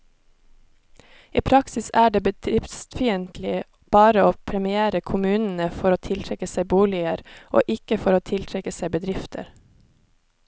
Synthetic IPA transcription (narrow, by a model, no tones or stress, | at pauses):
ʔiːpʰɾɑksɪsæːɖeːbəd̪ɾɪfst̪fiːənt̪lɪ | b̥ɑːɾəoːpʰɾɛmɪeːɾəkʰʊmʉːnn̩əfɔɾoːt̪ʰɪlt̪ʰɾɛkəsæɪbuːlɪəɾʔo̰ːʔɪkəfɔɾoːt̪ʰɪlt̪ʰɾɛkəsæɪbəd̪ɾɪft̪ʰə̰ɾ